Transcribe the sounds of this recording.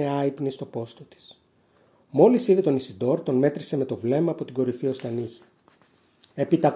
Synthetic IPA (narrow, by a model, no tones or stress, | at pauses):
eɐipnist̪o̞po̞st̪ot̪i̥s | mo̞lisiðet̪o̞nisid̪o̞ɾt̪o̞nme̞t̪ɾise̞me̞t̪o̞vle̞mɐːpo̞t̪iɡo̞ɾifio̞st̪ɐniçi̥ | e̞pit̪ɐ